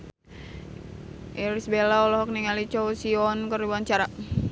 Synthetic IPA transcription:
ʔiɾisbelaɔlɔɦɔk̚niŋalit͡ʃɔwsiɔnkəɾibuant͡ʃaɾa

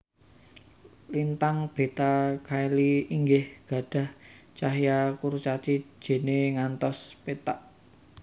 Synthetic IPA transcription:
lint̪aŋb̥e̤t̪akʰailiiŋɡɪhɡ̥ä̤ɖ̥ä̤h | t͡ʃaɦjakuɾt͡ʃat͡ʃi̥ʒ̥e̤neŋant̪ɔspet̪aʔ

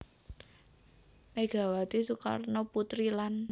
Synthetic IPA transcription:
meɡ̥a̤wat̪isuka̰rnoput̪ɾilan

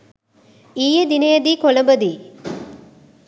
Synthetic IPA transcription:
iːjəd̪inejɐd̪iːkolɐmbəd̪iː

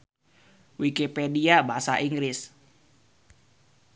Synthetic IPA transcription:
wikipediabaasaʔiŋɡɾɪs

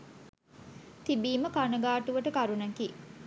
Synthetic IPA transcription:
t̪ibiːməkanɐɡaːʈuʋɐʈəkɐɾunɐki

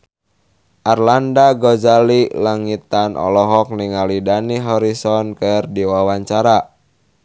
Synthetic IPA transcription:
ʔarlandaɡɔd͡ʒalilaŋit̪anʔɔ̰lɔɦɔk̚niŋalidaniɦɔɾisɔnkɨrdiwawaɲt͡ʃaɾa

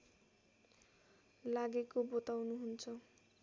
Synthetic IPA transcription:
laɡekobot̪awnuɦunt͡sʰʌ

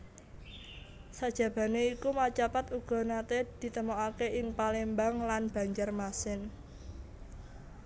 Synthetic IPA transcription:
sad̥ʒ̥ä̤b̥ä̤neikumat͡ʃapat̪uɡ̥ɔ̤nat̪ed̪̥i̤t̪əmoakeʔɪŋpalembaŋlanb̥a̤ɲd͡ʒarmasɪn

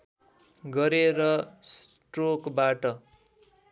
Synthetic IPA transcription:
ɡʌɾeɾʌsʈrokbaʈʌ

